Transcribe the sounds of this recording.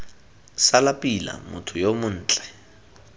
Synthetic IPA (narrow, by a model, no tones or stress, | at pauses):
salapʼila̰mʊtʰʊjomʊn̩ːt͡ɬʼɛ̥